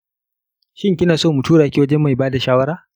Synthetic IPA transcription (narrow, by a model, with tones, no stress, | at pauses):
ʃɪ˦ŋkʲɪ˦naː˨soː˦˨mu˨tʰuː˦ɽaː˨kʲi˦wɐ˦d͡ʒɛ˦mːa˨jbaː˦da˨ʃaː˦wɐ˦ɽaː˦